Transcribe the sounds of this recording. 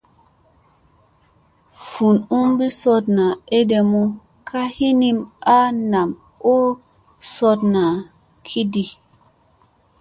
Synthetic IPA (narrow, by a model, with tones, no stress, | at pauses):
fu˨nu˦mbi˦sɔ˦tna˨e˦de˨mu˦ | kʰa˦hi˦ni˦ma˦na˨m | o˦ | sɔ˧tna˨ | kʰi˦di˨